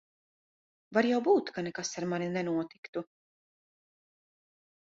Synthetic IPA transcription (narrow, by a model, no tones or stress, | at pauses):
vaɾjawbuːt̪kanɛkasaɾmanʲinɛnuɔt̪i̥kt̪u